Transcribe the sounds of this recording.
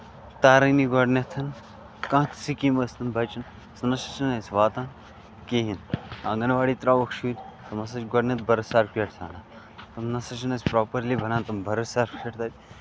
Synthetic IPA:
t̪aːɾɐniɡɔɖnet̪ʰɐn | kãːt̪ʰsikiːmɐsnɐnbʱɐt͡ʃɐn | snɐʃɐt͡ʃɐnɐsʲʋaːt̪aːn | keːɦinãːŋɡɐnʋaːɽiːt̪ɾaːʋɐkʰʃʰuːd̪ʲt̪ɐmɐs̬ɐt͡ʃɡɐɖnʲet̪̚bɐɾɐsaːɾpeʈsʰa̰ːnaː | t̪ɐmnɐsɐt͡ʃɐnɐsʲpɾoːpɐɾliːbʱɐnaːnt̪ɐmbɐɾɐsaːɾkʰeʈt̪ʰaːt̪ʲ

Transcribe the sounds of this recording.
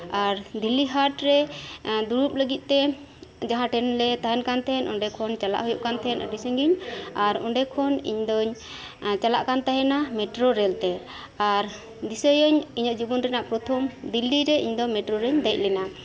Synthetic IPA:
aɾd̪ilːiɦaʈɾɛd̪uɾup̚ləɡit̪̚ˀt̪ɛ | d͡ʒaɦãʈɛnlɛt̪ajɛnkant̪ʰɛnʔɔ̰ɖɛkʰɔnt͡ʃala̰ʔɦujuʔkant̪ʰɛnə̰ɖisəŋɡiɲaɾɔ̰ɳɖɛkʰɔnḭɲd̪ɔɲ | t͡ʃala̰ʔkant̪aɦɛnamɛʈɾɔɾɛlt̪ɛ | aɾ | d̪isəjəɲiɲɔʔd͡ʒibɔnɾɛnaʔpɾɔt̪ʰɔmd̪ilːiɾɛʔiɲd̪ɔmɛʈɾɔɾɛɲd̪ɛc̚ˀlɛna

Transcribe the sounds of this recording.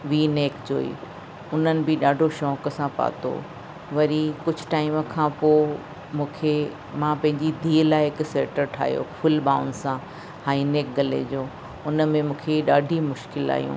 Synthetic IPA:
ʋiːneːkd͡ʑo̰ːḭː | ʊn̤ənɪ̆bɪɗaːɖʱoʃɔːkəsãpa̰ːt̪o̰ː | ʋɐɾikʊd͡ʑʱʊ̆ʈaːɪməkʰãːpoː | mũːkʰe | mãpɐ̃ɦɪ̃ɲd͡ʑid̪ʱiːlaːɪɦɪkseːʈəɾʈʰa̰ːɦijo̰fʊlbaːʊ̃nɖsã | haːineːk̚ɡɐlḛd͡ʑoː | ʊnə̆mẽmũːkʰeɗaːɖʱimʊʃkɪla̰ːjṵ̃ː

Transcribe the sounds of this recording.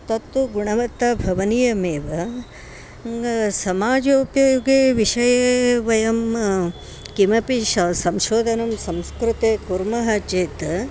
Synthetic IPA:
t̪ɐt̪ːuɡuɳɐʋɐt̪ːabʱɐʋɐnijɐmeːʋɐ | sɐmaːd͡ʒoːpjɐɡeʋiʃɐjɐʋɐjɐm | kimɐpiʃɐsɐmʃoːd̪ʱɐnɐmsɐmskɾut̪ekuɾmɐɦɐt͡ʃeːt̪

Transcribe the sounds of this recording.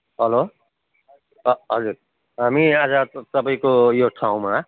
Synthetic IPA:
ɦʌlo | ʌɦʌd͡zuɾ | ɦamiad͡zʌt̪ʌbaĩkojoʈʰaw̃ma

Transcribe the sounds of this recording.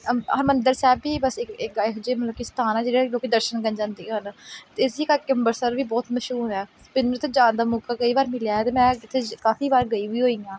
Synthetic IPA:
əmənd̪əɾsɛːbiːbəsɪkɪkːɪkd͡ʒeːməlːkɪst̪aːnɛːd͡ʒeːɽiːloːkiːd̪əɾʃənɡənd͡ʒãːnd̪iːɦənt̪eːɪsiːkakɪmbəɾsəɾʋiːbɔːt̪məʃuːɛː | pɪnːũt̪ʰeːd͡ʒãːnd̪aːmʊːkaːkəiːbaːɾmɪljaːɛːt̪eːmɛ̃ːkɪt̪ʰːeːkaːfʰiːbaːɾɡəiːʋiːɦoːĩːãː

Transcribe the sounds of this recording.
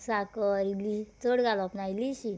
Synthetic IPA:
sakɔɾilit͡səɽɡalɔpnajliɕi

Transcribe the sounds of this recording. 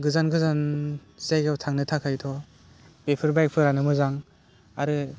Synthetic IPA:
ɡɯzanɡɯzanzajɡawtʰaŋnɯtʰakʰajtʰɔ | b̥epʰɯɾbajk̚pʰɯɾanɯmɯzaŋ | aɾɯ

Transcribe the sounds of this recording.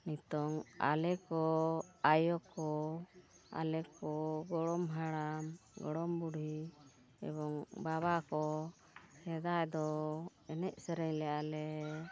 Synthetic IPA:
nit̪ɔŋa̰lɛkɔajɔkɔ | a̰lɛkɔɡɔɽɔmɦaɽamɡɔ̰ɽɔmbuɽɦi | ɛ̰bɔŋbaβakɔ | hɛd̪ajd̪ɔ | ɛnɛʔ̚sɛɾɛɲlɛalɛ

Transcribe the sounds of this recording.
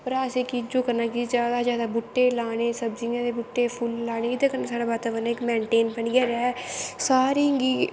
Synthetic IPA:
pəɾaːseːkid͡ʒoːkəɾnaːkid͡ʒaːd̪aːzjaːd̪aːbʊʈːeːlaːɽeːsəbd͡ʒɪŋãːd̪eːbʊʈːeːpʰʊlːaːñeːkit̪ekəɾnaːsaːɽaːbaːt̪aːbənaːɪkmɛ̃ːɳʈeːnpəɳɡɛːɾɛːsaːɾiːɦŋɡiː

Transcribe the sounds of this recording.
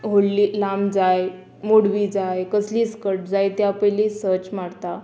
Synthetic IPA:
ɦoɽliːlamd͡zaj | moɽʋiːd͡zajkəsliːskəɾʈ̚d͡zajt̪japəlisəɾt͡ɕmaɽt̪a

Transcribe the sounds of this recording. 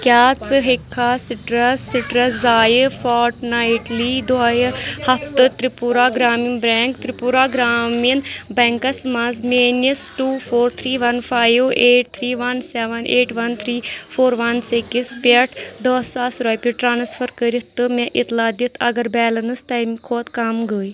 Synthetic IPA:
kʲjaːt͡sɨɦekʰːaːsiʈɾɐiʈɾɐszaːjɨfaːɾʈnaːiʈliːd̪ojɨhɐft̪ɨt̪ɾipuɾaːɡɾaːminbɾɛːŋkt̪ɾipuɾaːɡɾaːminbɛŋkɐsmɐzmeːnisʈuːfoːɾt̪ʰɾiːʋɐnfaːjʋeːʈ̚t̪ʰɾiːʋɐnsɛːʋɐnʔeːʈʋɐnt̪ʰɾiːfʰoːɾʋɐnsekispʲeʈʰd̪oːsaːsɾoːjpʲiʈɾaːnsfʰɐɾkəɾit̪ɨmẽʔit̪laːd̪it̪ʰɐ̰ɡɐɾbɛːlɐnɨst̪ɐjmkʰoːt̪kɐmɡəːj

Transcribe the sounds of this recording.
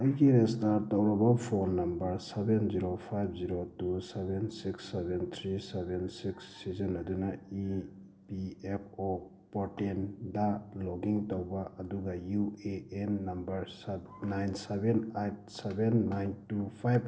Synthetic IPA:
əjɡiɾestaɾtawɾɔbapʰonːɐmbɐɾsebenziɾopʰajbziɾotusebensiksːebent̪ʰɾisebensiksːizɐnɐdunai | piep̚ʰo | pɔɾtendaloɡiŋtawbaʔɐduɡɐjueenːɐmbɐɾs | najnsebenajt̚sebenːajntupʰajb̚

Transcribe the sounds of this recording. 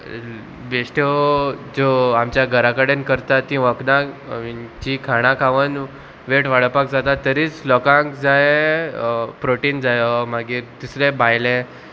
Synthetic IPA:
beɕʈed͡zoamt͡ɕjaɡʱəɾakaɽenkəɾt̪at̪ːĩʋəknã | t͡ɕikʰaɽ̃ãkʰaʋən | ʋeʈʋaɭəpakd͡zat̪at̪ːəɾiːt͡slɔkãŋkd͡zaje | pɾoʈiːnd͡zajɔmaɡiːɾt̪usɾebajlẽ

